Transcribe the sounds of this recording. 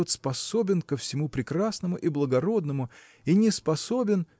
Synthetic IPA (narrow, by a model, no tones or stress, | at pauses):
ot̪spɐsobʲɪnkəfsʲɪmupɾʲɪkrasnəmʊʔiblˠəɡɐɾo̞d̪nəmʊ | inʲɪspɐso̞bʲɪn